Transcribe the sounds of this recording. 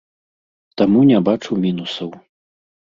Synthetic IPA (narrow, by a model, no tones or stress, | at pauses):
t̪amunʲɛbat͡ʂuwmʲinusɐw